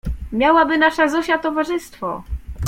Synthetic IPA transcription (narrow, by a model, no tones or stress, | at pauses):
mʲjawabɘnaʂɛzɔɕat̪ɔvaʐɘst̪fɔ